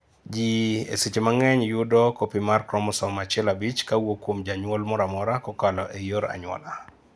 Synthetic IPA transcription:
d͡ʒiḛsit͡ʃemaŋɛɲjudɔkopimarkɾɔmɔsɔmat͡ʃɛlabit͡ʃkawokːwomd͡ʒaɲwɔlmɔɾamɔɾakɔkalɔʔejoɾa̰ɲwɔ̰la

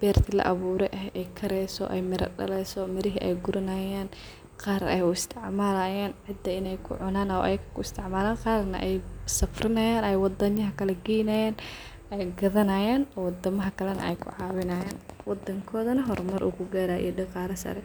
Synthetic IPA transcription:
b̥ɛːrt̪ʰɪlɐ̰ʔɐβuːɾɛʔɐɦɛjkʰɐɾɛjsɔ̰ʔɛjmɪɾɐ̰ɖɐ̰lɛjsɔmɪɾɪɦiʔɛ̰jɡʊɾɐnaːjaːn | qɑːɾɛ̰jʊɪst̪ʰɪʕmaːlaːjaːnʕɪd̪ɐɪnɛjkʰʊ̰ʕʊnaːnɐʔɛjkʰɐ̥kʰʊɪst̪ʰɪʕmaːlaːnqɑːrnɐ̰ʔɛjsɐfrɪnɐjaːnɛjwɑd̪ɐɲɐɦɐkʰɐlɛɡɛjnɐjaːn | ɛjɡɐðɐnaːjaːnɔwd̪ɐmɐɦɐkʰɐlɛnɐ̰ɛjkʰʊ̰ʕɑːwɪnaːjaːnwɑd̪ɐŋkʰɔːðɐnɐɦɔɾmɐɾʔṵːkʰʊɡaːɾaːʔḭjɔɖɪqɑːɾɐsɐ̰ɾɛ

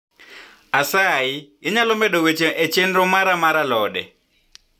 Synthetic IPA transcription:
asaiiɲalɔmbɛɗɔɣet͡ʃɛʔɛt͡ʃendɔmaɾamaɾalɔːɗɛ̰

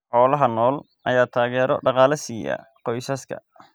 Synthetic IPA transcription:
ħɔːlɐɦɐnɔːl | ʔɐjaːt̪ʰaːɣɛːɾɔ̰ɖɑqɑːlɐsiːjɐ̰ | qɔjsɐskʰɐ̰

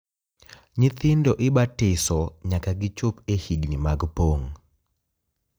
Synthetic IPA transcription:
ɲɪt̪ɪndɔʔɪbatɪsɔɲakaɡɪt͡ʃopehidnimaɡpoŋ

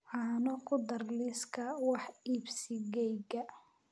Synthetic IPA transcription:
ɑːnɔkʰʊd̪ɐrliskʰɐwɑħiːbsɪɡɛjɡɐ

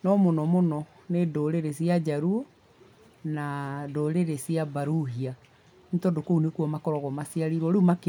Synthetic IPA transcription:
nɔmonɔmonɔ | nedoɾeɾesiad͡ʑaɾuo | nadoɾeɾesiabaɾuɦia | nitɔdokounekuɔmakɔɾɔɣɔmasiaɾiɾɔɾeumak

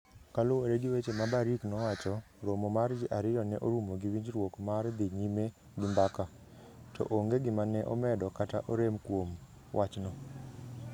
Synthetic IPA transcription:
kalʊwoɾeɡɪwet͡ʃemabaɾiknɔwat͡ʃɔ | ɾomomard͡ʒɪʔaɾɪɾɔnɛʔoɾumoɡiwiɲd͡ʒɾwokmard̪ɪɲime | ɡɪmbaka | tɔ̰ʔoŋɡeɡɪmanɛʔɔ̰mɛdɔkataʔoɾemkwom | wʔat͡ʃnɔ

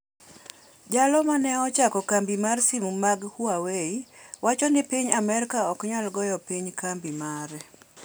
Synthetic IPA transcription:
d͡ʒalɔmanɛɔt͡ʃakɔkambimarsimumaɡhuaweiwat͡ʃɔnɪpiɲamɛɾkaɔkɲalɡɔjɔpiɲkambimaɾɛ

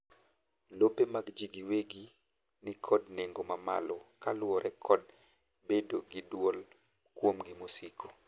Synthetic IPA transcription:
lopemaɡd͡ʒiɡiweɡi | nɪkʰɔdneŋɡomama̰lɔkalwɔɾʔɛkʰɔd | bedoɡidwol | kwomɡimosikʰo̥

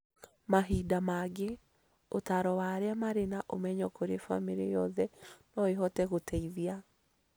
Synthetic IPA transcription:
maɦidamaɡe | otaɾɔwaːɾeamaɾenaʔomɛɲɔkoɾefa̰miɾḛjɔðɛnɔeɦɔtɛɣotʰɛiðia

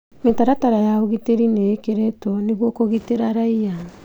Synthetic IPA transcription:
metaɾataɾaeaoɣiteɾinekeɾetoniɡuokoɣiteɾaɾaja

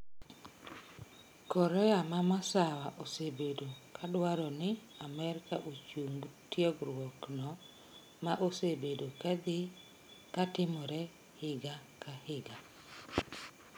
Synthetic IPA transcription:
kɔɾɛamamasawaʔosebedokʰadwaɾɔnɪ | amɛɾɪkaʔot͡ʃumbtjɔɡɾwɔknɔ | maʔosebedokad̪ɪ | katɪmɔɾɛ | hɪɡakahɪɡa

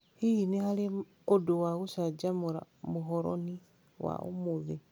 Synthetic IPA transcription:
hiinehale | oduwaɣusad͡ʒamuɾa̰muɦɔɾo̰ni | wa̰ṵmuði

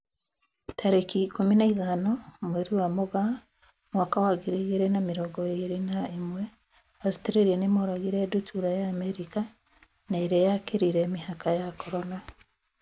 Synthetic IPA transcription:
tʰaɾekikuminaiðanomweɾiwamuɡa | mwaːkawaɡiɾiɣiɾenamiɾoɡoiɾinaimwe | asi̥teɾeɾienemoɾaɣiɾedutʰuɾajaːmeɾika | naiɾejakiɾiɾeːmihakajakʰoɾona

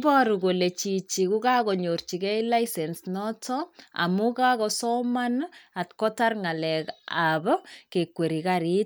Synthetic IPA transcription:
bɔɾukolet͡ʃit͡ʃikukakɔɲort͡ʃikɛilaisɛnsnɔtɔa̰mukakɔsɔmanatkɔtarŋalɛkabkekweɾikaɾit

